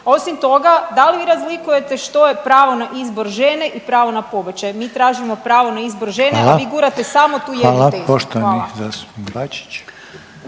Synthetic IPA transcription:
o̞simt̪o̞ɡad̪aliʋiɾazlikuje̞t̪e̞ʃt̪o̞jepɾaːʋo̞naʔizboɾʒeneʔipɾaːʋo̞napo̞bet͡ɕajmiːt̪ɾaːʒimo̞pɾaːʋo̞naizboɾʒeneaʋiɡuɾat̪esamo̞t̪uːjelaepoʃt̪oʋaanizast̪u̥pibat͡ʃi̥t͡ʃ

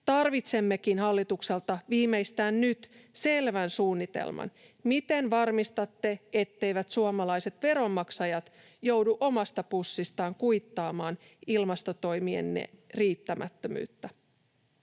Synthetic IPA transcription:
t̪ɑrʋit̪se̞mːe̞kinhɑlːit̪ukse̞lt̪ɑʋiːme̞ist̪æːnnyt̪se̞lʋænsuːnːit̪ḛlmɑ̰n | mit̪e̞nʋɑrmist̪ɑt̪ːe̞et̪ːe̞jʋæt̪suomɑlɑjse̞t̪ʋe̞ɾo̞mːɑksɑjɑt̪ | jo̞wduʔo̞mɑst̪ɑpusːist̪ɑːŋkujt̪ːɑːmɑːn | ilmɑst̪ot̪o̞jmiḛnːḛriːt̪ːæmʔæ̰t̪ːømy̰ːt̪ːæ

